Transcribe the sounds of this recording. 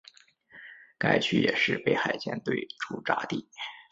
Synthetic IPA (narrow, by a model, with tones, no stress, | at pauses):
ka˥˩ɪt͡ɕʰy̰˥˩jɛ̰˨˩ʂɻ̩˥˧pe˥˩ɪxa˨˩ɪt͡ɕjɛ̰˥nt̪we˥˩ɪʈ͡ʂʰu˥ʈ͡ʂa̰˥t̪i˥˩